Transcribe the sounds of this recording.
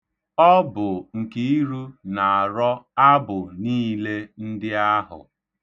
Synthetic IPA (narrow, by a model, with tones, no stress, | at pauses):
ɔ˦bʊ˨ŋ̩˨ki˦i˦ɾu˦na˨a˨ɾɔ˦a˦bʊ˨niː˦le˦n̩˦dɪ˦a˦ɦʊ̰˨